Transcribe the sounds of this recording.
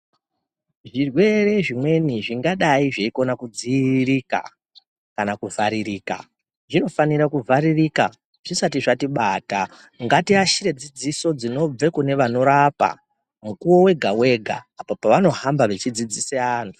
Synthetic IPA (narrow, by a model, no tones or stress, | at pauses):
ʐirwe̞re̞ʐimwe̞niʐiŋɡaɗaiʐeiko̞nakud͡ziɾika̰ | kanakuvʱaɾiriːka̰ | ʐino̞faniɾakuvʱaɾiriːka | ʐ̥isatiʐatiɓata | ŋɡatiaʃiɾe̞d͡zid͡ziso̞d͡zino̞b͡ve̞kune̞ʋano̞ɾapa̰ | mukuo̞we̞ɡʱawe̞ɡʱaːpapaʋano̞ɦambaʋe̞t͡ʃid͡zid͡ziseaːn̤u̥